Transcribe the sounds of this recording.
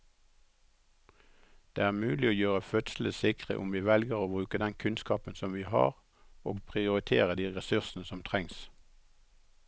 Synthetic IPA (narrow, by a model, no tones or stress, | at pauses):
d̪̥ḛːæːʁmʉːlɪoːjøːʁəfœt̪sl̩əsɪkʁə̰ʔʊmʋiːʋɛlɡəʁoːbʁʉːkəd̪ɛnkʰʉnskɑːpənsɔmʋiːhɑ̰ːʁ | oːɡpʰʁɪʊʁɪt̪ʰḛːʁəd̪iːʁɛsʉʁsn̩əsɔmt̪ʰʁɛŋs